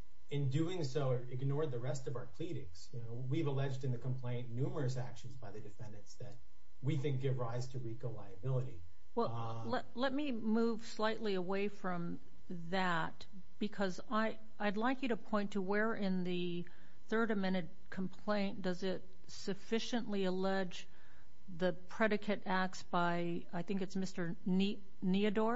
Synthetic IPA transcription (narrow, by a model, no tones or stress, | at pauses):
ɨ̃ndʉɪ̃ŋsoʊ | ɪɡnɔɹd̪̚ðɨɹɛstʌvaʊə˞pʰl̥iɾɪ̃ŋz̥jɨnoʊwivəlɛd͡ʒdɨ̃nðɨkʰm̩pʰl̥ẽɪ̃nːʉmə˞ɨsækʃn̩zbaɪðɨdɨfɛ̃ndɨ̃ntsðɨt̚ | wiθɪ̃ŋk̚ɡ̥ɪvɹaɪz̥tʰɨɹikoʊlaɪɨbɪlˠəɾḭ | wɛl | lɛ | lɛt̚mi | muv̥slaɪʔˡliəweɪfɹʌ̃m | ðæ | t̚ | b̥ɨkʰʌz | aɪ | aɪdˡlaɪkjɨɾɨpʰɔ̃ɪ̃ntʰəwə˞ʔɪ̃nðɨ | θɜ˞ɾɨmɛ̃ɾ̃ɨd̚kʰm̩pʰl̥ẽɪ̃nd̥ʌzɪt̚ | sɨfɪʃɨ̃nʔliəlɛd͡ʒ | ðɨpʰɹ̥ɛɾɨkʰɨɾæk̚sb̥aɪ | aɪθɪ̃ŋkɨtsmɪstə˞ | ni | niɨdɔɹ